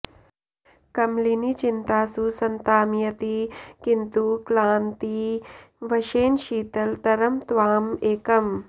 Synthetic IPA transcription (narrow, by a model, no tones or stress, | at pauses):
kɐmlinit͡ʃint̪aːsusɐnt̪aːmjɐt̪ikint̪uklaːnt̪i | ʋɐʃeːnʃiːt̪ɐlt̪ɐɾɐmt̪ʋaːmeːkɐm